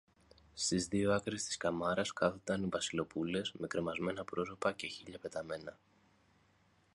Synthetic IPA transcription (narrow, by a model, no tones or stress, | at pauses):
st̪izðio̞ɐkɾest̪i̥skɐmɐɾɐskɐθod̪ɐnivɐsilo̞pule̞sme̞kɾe̞mɐzme̞nɐpɾo̞so̞pɐce̞çiʎɐpe̞t̪ɐme̞nɐ